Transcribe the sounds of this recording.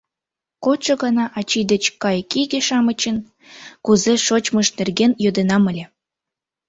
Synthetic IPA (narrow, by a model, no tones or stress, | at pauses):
kot͡ʃɤɣɑnɑʔɑt͡ɕid̪ət͡ɕkɑjkiɣeʃɑmət͡ɕən | kuzeʃot͡ɕməʃnerɣenjød̪enɑməlʲe